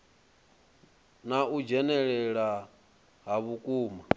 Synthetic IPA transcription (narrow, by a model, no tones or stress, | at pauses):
naud͡ʒɛnɛɺɛɺa | ɦaβukʼuːma